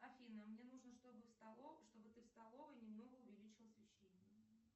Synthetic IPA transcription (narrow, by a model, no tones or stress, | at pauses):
ɐfʲinəmnʲe̞nuʐnəʂt̪o̞bɨfst̪ɐlˠoʂt̪o̞bɨt̪ɨfst̪ɐlˠo̞vənʲɪmno̞ɡəʊvʲɪlʲit͡ɕɪlˠsvʲɪɕːenʲɪjə